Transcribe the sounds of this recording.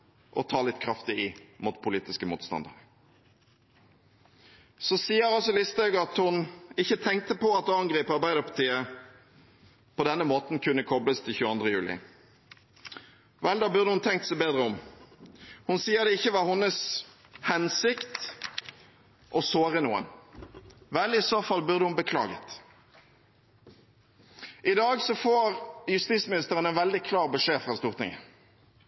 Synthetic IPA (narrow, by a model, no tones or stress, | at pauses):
ʔɔt̪ʰɑːlɪt̪ːkʰɾɑft̪ɪɪmʊt̪pʰʊliːt̪ɪskəmṵːt̪st̪ɑ̰nd̪ə̰ʁ | sɔsiːəɾɑlsɔlɪst̪ɑɡɑt̪hʊnɪçːət̪ʰɛŋkt̪əpɔɑt̪̚ːɑŋɡʁiːpɑɾbæɪd̪əpɑt̪ʰiːə | pʰɔd̪ɛnːəmoːt̪nkʰʉnːəkʰɔbləst̪ʰɪlçʉːɑnd̪ʁəjʉːlɪ̰ | ʋɛld̪ɑːbʉʁd̪əhʊnt̪ʰɛŋkt̪sæɪbeːd̪ʁəɔm | hʊnsiːəd̪ɛɪçːəʋɑːhʊnːəs | hɛnsɪkt̪ | ʔɔsoːʁənṵːə̰n | ʋɛlɪsoːfɑlbʉʁd̪əhʊnbəkʰlɑ̰ːɡət̪ | ʔɪd̪ɑːɡsɔfoːʁjʉst̪iːsmɪnɪst̪əʁənɛnʋɛld̪ɪkʰlɑːʁbəʂeːfʁɑst̪uːʁt̪ʰɪ̰ŋə̰